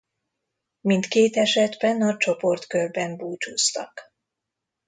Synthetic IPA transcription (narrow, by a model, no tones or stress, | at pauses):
mint̪keːt̪ɛʃɛd̪bɛnɒt͡ʃo̞po̞rt̪kørbɛmbuːt͡ʃuːst̪ɒ̰k